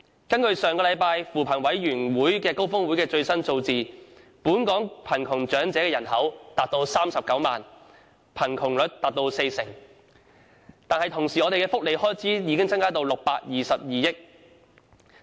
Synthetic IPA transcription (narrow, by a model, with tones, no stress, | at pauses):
kɐ˥nkɵ˧ɥsœː˨ŋkɔː˧lɐ˨˧jpaː˧jfuː˨˩pʰɐ˨˩nwɐ˨˥jɥyː˨˩nwuː˨˥jkɛː˧ko˥wfʊ˥ŋwuː˨˥jkɛː˧t͡ʃɵ˧ɥsɐ˥nt͡so˧wt͡siː˨puː˨˥nkɔː˨˥ŋpʰɐ˨˩nkʰʊ˨˩ŋt͡ʃœː˨˥ŋt͡sɛː˨˥kɛː˧jɐ˨˩nhɐ˨˥wt̪aː˨t̚t̪o˧wsaː˥msɐ˨p̚kɐ˨˥wma̰ː˨n | pʰɐ˨˩nkʰʊ˨˩ŋlɵ˨˥t̚t̪aː˨t̚t̪o˧wse˧jsɪ˨˩ŋ | t̪aː˨nhɐ˨˩jt̪ʰʊ˨˩ŋsiː˨˩ɔ˨˧ɾe˨jkɛː˧fʊ˥k̚le˨jhɔː˥jt͡siː˨˥jiː˨˧kɪ˥ŋt͡sɐ˥ŋkaː˥t̪o˧wlʊ˨k̚paː˧k̚jiː˨sɐ˨p̚jiː˨jɪ˥k̚